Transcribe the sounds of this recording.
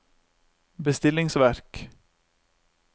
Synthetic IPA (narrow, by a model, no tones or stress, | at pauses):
bəst̪ɪlːɪŋsvæɾk